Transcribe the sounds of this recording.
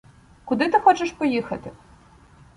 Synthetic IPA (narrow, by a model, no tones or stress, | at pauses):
kʊd̪ɪt̪ɪxɔt͡ʃeʃpɔjixɐt̪ɪ